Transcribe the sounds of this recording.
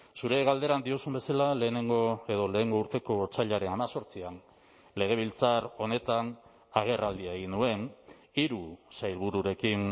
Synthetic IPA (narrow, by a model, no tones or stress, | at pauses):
suɾe̞ɣald̪e̞ɾand̪io̞sumbe̞salale̞ːne̞ŋɡoe̞ðo̞le̞ːŋɡo̞uɾt̪e̞ko̞t͡saʎaɾe̞namaso̞ɾt͡sian | le̞ɣ̞e̞β̞ilt͡saɾo̞ne̞t̪an | aɣ̞e̞rald̪iaeɣ̞inue̞n | iɾusajlβuɾuɾe̞kin